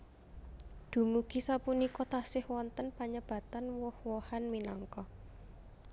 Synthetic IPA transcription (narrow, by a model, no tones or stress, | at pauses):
d̪̥ṳmuɡ̥i̤sapunikɔt̪asɪhwɔnt̪ənpaɲəb̥a̤t̪anwɔhwɔhanminɔŋkɔ